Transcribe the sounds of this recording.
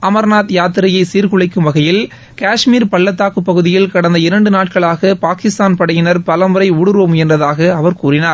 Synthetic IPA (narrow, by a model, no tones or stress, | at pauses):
ɐmɐɾnaːt̪jaːt̪ːɪɾɐjɐɪsiːɾkɯɭɐɪkːɯmʋɐɣɐjɪl | kaːʂmiːɾpɐɭːɐt̪ːaːkɯpːɐɣɯðɪjɪlkɐɽɐnd̪ɐɪɾɐɳɖɯnaːʈ̚kɐɭaːɣɐpaːkɪst̪aːnpɐɽɐjɪnɐɾpɐlɐmɯɾɐɪʊɽɯɾoːmɛndrɐðaːɣɐːʋɐɾkuːɾɪnaːɾ